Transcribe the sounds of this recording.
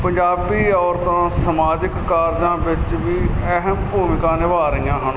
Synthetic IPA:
pəɲd͡ʒaːbiːɔːɾt̪ãːsəmaːd͡ʒɪkːaːɾd͡ʒãːbɪt͡ʃʋiːəɦəmpuːmɪkãːnɪʋaːɾijãːɦən

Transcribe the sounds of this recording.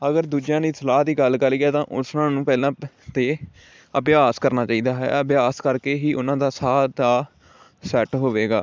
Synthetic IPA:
əɡəɾd̪uːd͡ʒjãːniːsəlaːɦd̪iːɡəlɡəliːaːt̪ãːʔʊsnãːnũːpɛːlãːt̪eː | əbɪjaːskəɾnaːt͡ʃaːiːd̪aːɦɛ̰ːəbjaːskəɾkeːɦiːʔʊnãːd̪aːsaːt̪aː | sɛːʈɦoːʋeːɡa̰ː

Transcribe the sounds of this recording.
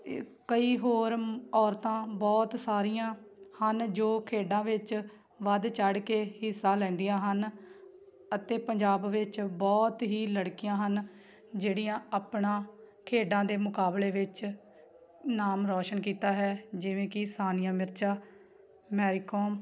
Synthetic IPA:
kəiːɦoːɾɔːɾt̪ãːbɔːt̪saːɾijãː | hənd͡ʒoːkʰeːɖãːʋɪt͡ʃ | ʋəd̪t͡ʃəɽkeːhɪsːãːlɛ̃ːnd̪ijãːɦən | ət̪eːpəɲd͡ʒaːbʋɪt͡ʃbɔːt̪ɦiːləɽkɪjãːɦən | d͡ʒeːɽijãːaːpɳãː | kʰeːɖãːd̪eːmʊkaːbleːʋɪt͡ʃ | naːmɾɔːʃənkiːt̪aːɦɛːd͡ʒɪʋẽːkɪsaːnɪjãːmɪɾt͡ʃʰaː | mɛːɾiːkoːm

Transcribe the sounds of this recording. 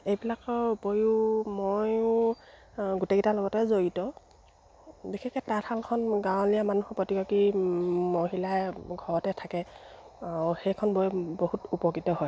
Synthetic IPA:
ejbilakɔbojʊmojʊ | ɡuteɡitalɔɡɔtɛzoɹitɔ | bixʰɛkɛtatʰalkʰɔnɡãwlijamanuhɔpotikɔkimoɦilajɡʱɔɹɔtɛtʰakɛauxejkʰɔnbojbohutupɔkːitɔɦɔj

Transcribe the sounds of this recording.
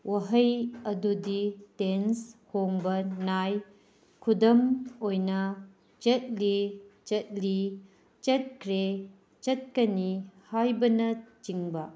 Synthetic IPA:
wɐɦɐjɐduditenshoŋbɐnaj | kʰudɐmojnɐ | t͡ʃɐt̚lit͡ʃɐt̚li | t͡ʃɐt̚kʰɾe | t͡ʃɐt̚kɐnihajbɐnɐt͡ʃiŋbɐ

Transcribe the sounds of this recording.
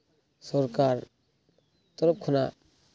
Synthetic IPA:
sɔɾkaɾ | t̪ɔɾɔp̚kʰuna

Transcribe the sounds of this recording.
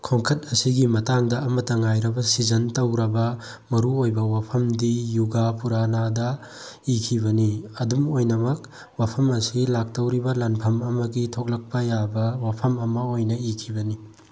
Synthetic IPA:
kʰoŋkʰɐt̚ɐsiɡimɐtaŋdɐɐmɐtːɐŋajɾɐbɐsizɐntɐwɾɐbɐ | mɐɾuojbɐwapʰɐmdijuɡapuɾanadɐ | ikʰibɐniɐdumojnɐmɐk̚ | wapʰɐmɐsilak̚tɐwɾibɐlanpʰɐmɐmɐɡitʰok̚lɐk̚pɐjabɐwapʰɐmɐmɐojnɐikʰibɐni

